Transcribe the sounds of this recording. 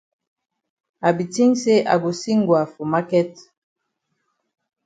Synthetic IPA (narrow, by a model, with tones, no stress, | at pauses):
a˨bi˨ti˦ŋse˦ʔa̰˨bo˨si˦ŋɡwa˨fo˨ma˦kɛ˦t